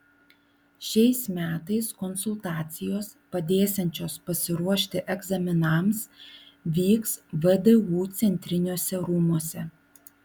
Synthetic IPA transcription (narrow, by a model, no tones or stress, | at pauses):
ʃʲɛɪsmʲæːt̪ɐɪskɔnsʊlˠt̪ɑːt̪sʲɪjoːspɐd̪ʲeːsʲɛnʲt͡ʃʲoːspɐsʲɪɾuɔʃʲt̪ʲɪʔɛɡzɐmʲɪnɐˑmsʋʲiːksʋəd̪ɛuːt̪sʲɛnʲt̪ʲɾʲɪnʲoːsʲɛɾʊmuɔsʲɛ